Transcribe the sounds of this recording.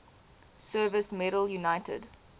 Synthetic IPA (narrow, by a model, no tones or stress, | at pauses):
sɜːvəsmɛɾəljunaɪtʰə̰d